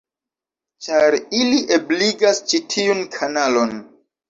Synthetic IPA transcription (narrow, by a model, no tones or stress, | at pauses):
t͡ʃaɾiliʔebliɡast͡ʃitʰiunkʰanalo̞n